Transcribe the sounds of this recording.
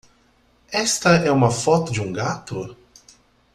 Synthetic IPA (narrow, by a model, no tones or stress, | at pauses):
ɛst̪ɐɛumɐfɔt̪ʊd͡ʒɪũɡat̪ʊ